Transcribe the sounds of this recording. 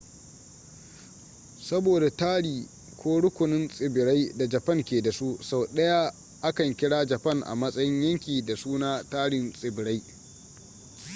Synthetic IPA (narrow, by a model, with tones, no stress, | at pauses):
sɐ˦boː˨da˨taː˦ɽiː˨ | kʷʰoː˦ɽʊ˦kʷʊ˨nɪ˦nsʼɪ˨bɪ˨ɽa˦jda˨d͡ʒɐ˨pɐ˦ŋkʲeː˨da˨su˦sa˨wɗɐ˦ja˦ | ʔa˦kɐ˨ŋkʲɪ˦ɽaː˦d͡ʒɐ˨pɐ˦ŋʔa̰˨mɐ˦sʼɐ˦jɪ˦ɲjɐ˦ŋkʲiː˨da˨suː˦naː˦taː˦ɽɪ˨nsʼɪ˨bɪ˨ɽa˦j